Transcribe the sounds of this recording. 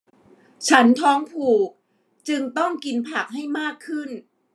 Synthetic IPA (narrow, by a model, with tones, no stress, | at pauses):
t͡ɕʰa˦˥nt̪ʰɔː˦˥ŋpʰuː˨˩k̚ | t͡ɕɯ˧ŋt̪ɔ˥˩ŋki˧npʰa˨˩k̚ɦa˥˩jmaː˥˩kʰːɯ˥˩n